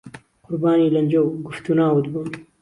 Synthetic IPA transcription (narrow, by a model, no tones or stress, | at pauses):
qʊɾbaːniːlɐnd͡ʒɐwɡʊft̪unaːwd̪buːn